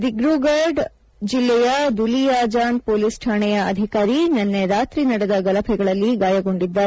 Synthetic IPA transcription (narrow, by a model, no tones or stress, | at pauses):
d̪iɡɾuːɡaːɾɖ | d͡ʒilːɛjɐd̪ulijaːd͡ʒaːnpoːlisʈʰaːɳɛjɐɐ̰d̪ʱikaːɾinɐnːeɾaːt̪ɾinɐɽɛd̪ɐɡɐlɐpʰɛɡɐɭɐlːiɡaːjɐɡo̞ɳɖid̪ːa